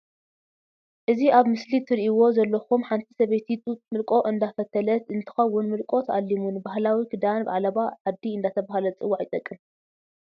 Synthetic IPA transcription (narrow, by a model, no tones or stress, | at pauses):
ʔɨziʔaβmɨslit̪ʰɨɾʔiwo̞zɐlːɐxumħant̪ʰi̥sɐβet̪ʰit̪ʼumɨlkʼo̞ʔɨnd̪afɐt̪ʰɐlɐt̪ɨnt̪ʰɨ̥xɐwːʊnmɨlkʼo̞t̪ʰɐʔalːimunbahlawiɡɨd̪anba̰ʕalɐβaʕad̪ːiɨnd̪at̪ʰɐβahlɐt͡sʼɨwːaʕjɪt̪ʼɐkʼːɨm